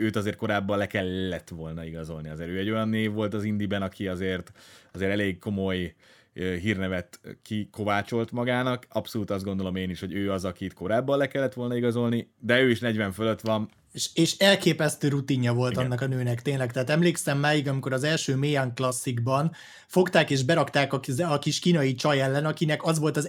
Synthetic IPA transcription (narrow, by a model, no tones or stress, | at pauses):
øːt̪ɒzeːrt̪̚ko̞ɾaːbːɒlɛkɛlːɛt̪ʋo̞lnɒiɡɒzo̞lniɒzeːɾøːɛɟːo̞jɒnːeːvːo̞lt̪ɒzind̪ibɛnɒkʰiɒzeːrt̪ɒzeːɾɛleːɡko̞mo̞j | ɦiːrnɛvɛt̪kiko̞vaːt͡ʃo̞lt̪mɒɡaːnɒkɒpso̞luːt̪ɒzd̪ɡond̪o̞lo̞meːniʃho̞ɟøːɒzɒkit̪ko̞ɾaːbːɒnlɛkɛlːɛt̪ʋo̞lnɒiɡɒzo̞lnid̪ɛøːiʃnɛɟʋɛɱfølø̞t̪ʋɒn | ʃeːʃɛlkeːpɛst̪øːɾut̪iɲːɒvo̞lt̪ɒnːɒkɒnøːnɛkt̪eːnlɛkt̪ɛɦːt̪ɛmleːksɛmːaːjiɡɒmiko̞ɾɒzɛlʃøːmeːaŋklɒsːiɡbɒn | fo̞kt̪aːkeːʒbɛɾɒkt̪aːkɒɒkiʃkiːnɒjit͡ʃɒjɛlːɛnɒkinɛkɒzʋo̞lt̪ɒz